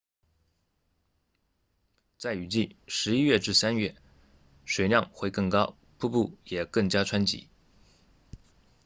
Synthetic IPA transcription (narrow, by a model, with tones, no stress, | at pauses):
t͡sa˥˩ɪy˨˩t͡ɕi˥˩ʂɻ̩˧˥i˥ɥɛ˥˧ʈ͡ʂɻ̩˥˩sa˥nɥɛ˥˩ | ʂwe˨˩ɪljɑ˥˧ŋxwe˥˧ɪkɤ˥˩ŋkɑ˥ʊ | pʰu˥˧pu˥˩jɛ˨˩kɤ˥˩ŋt͡ɕja˥ʈ͡ʂʰwa˥nt͡ɕḭ˧˥